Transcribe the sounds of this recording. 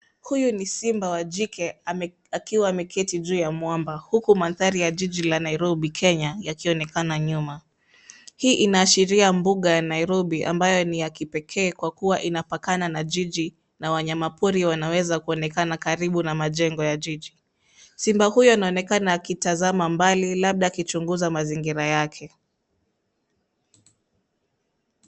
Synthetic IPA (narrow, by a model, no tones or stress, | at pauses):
hujunisimbawaʄikɛ | akiwaːmɛkʰɛtiʄuːjamwambahukumanθaɾijaʄiʄilanaiɾɔɓikʰɛɲajakiɔnɛkanaɲuma | hiːʔinaːʃiɾiambuɠajanaiɾɔɓiʔa̰mbajɔnijakipɛkʰɛːkwakuwaʔinapakananaʄiʄi | nawaɲamapuɾiwanawɛzakuɔnɛkanakaɾiɓunamaʄɛŋɡɔjaʄiʄi | simbahujɔinaɔnɛkanaakitazamambalilaɓ̚ɗakit͡ʃuŋɡuzamaziŋɡiɾajakʰɛ